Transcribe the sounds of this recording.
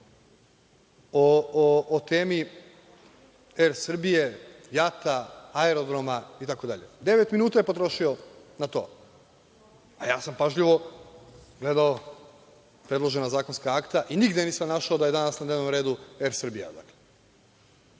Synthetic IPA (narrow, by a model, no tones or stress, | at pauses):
oː | t̪eːmi | eɾsr̩bije̞jat̪aaeɾo̞d̪ɾomait̪ako̞d̪aʎe̞̰d̪e̞ʋe̞t̪minuːt̪aje̞po̞t̪ɾo̞ʃio̞nat̪o̞̰ː | ajaːsampaʒʎiʋo̞ | ɡle̞d̪ao | pɾe̞d̪lˠo̞ʒe̞nazaːkonskaakt̪aʔiniɡd̪eniːsamnaʃaod̪aje̞d̪anasnad̪neʋno̞mɾe̞ːd̪ue̞ɾsr̩bija̰d̪akle